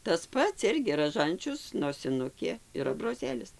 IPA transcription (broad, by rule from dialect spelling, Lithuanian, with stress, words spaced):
tɐs ˈpɐts ˈɪrʲɡʲɪ rɐˈʒɐnʲt͡ʃʲʊs noːsʲɪˈnʊkʲeː ɪr ɐbroːˈzʲeːlʲɪs